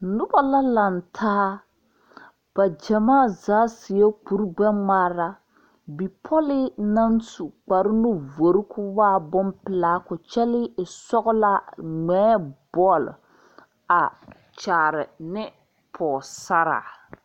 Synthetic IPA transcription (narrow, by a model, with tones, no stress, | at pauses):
nʊ˦ba˦la˦la˨ntʰaː˦ | b̥a˨d͡ʒɛ˨maː˦˨zaː˨˦sɪ˨e˦k͡pu˨ɾɡ͡bɛ˦ma˦ɾa˦ | bi˨pʰɔ˦lɪ˦na˦nsu˨k͡pa˨ɾɪ˦nʊ˦vo˨ɾɪ˦kʰʊ˦waː˦˨bʊ˦mpɪ˨laː˦kʊ˨t͡ʃɛ˦lɪ˦ɪ˨sɔ˦ɣʊ˦la˦ŋ͡mɛː˨˦b̥ɔ˦˨l | a˨ | t͡ʃaː˨ɾɪ˨nɪ˦ | pʰɔː˨sa˦ɾa̰ː˨